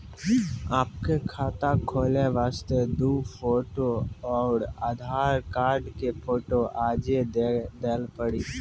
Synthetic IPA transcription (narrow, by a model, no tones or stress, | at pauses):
aːp̚kekʰaːt̪akʰoːleʋaːst̪ed̪uːpʰoːʈoɔːɾad̪ʱaːɾkaːɾɖkepʰoːʈoʔaːd͡ʒed̪eːlpəɽiː